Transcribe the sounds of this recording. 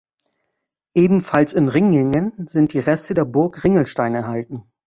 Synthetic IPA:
ʔeːbm̩falsɪnʁɪŋɪŋənzɪnt̚d̥iːʁɛstədeːɐbʊɐkʁɪŋl̩ʃtaɪnɛɐɦaltn̩

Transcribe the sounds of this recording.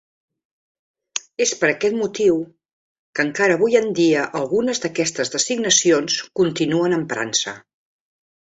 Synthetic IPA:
espəɾəkɛt̪mut̪iw | kəŋkaɾəβujənd̪iəʔəlˠɣunəzðəkɛst̪əzðəsiɡnəsionskunt̪inuənəmpɾa̰nsə

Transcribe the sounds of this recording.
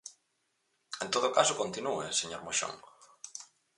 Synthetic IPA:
ẽnt̪oðʊkasʊkont̪inueseɲoɾmoʃo̰ŋ

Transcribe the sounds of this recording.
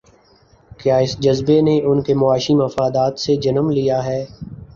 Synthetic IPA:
kjaːɪsd͡ʒɐzbeneʔʊnkemʊaːʃimɐfaːd̪aːt̪sed͡ʒɐnəmlijaɦɛː

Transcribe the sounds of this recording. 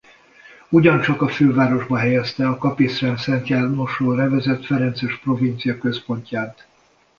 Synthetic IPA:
uɟɒnt͡ʃɒkɒføːvaːɾo̞ʒbɒɦɛjɛst̪ɛɒkɒpisrɛnsɛnt̪jaːrnoʃoːrɛvɛzɛt̪fɛɾɛnt̪sɛʃpro̞vint̪sijɒkøspo̞ɲcaːnt̪

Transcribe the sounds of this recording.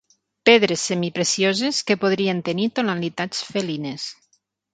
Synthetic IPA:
peðɾesːemipɾesjozeskepoðɾient̪enit̪onalit̪at͡sfelines

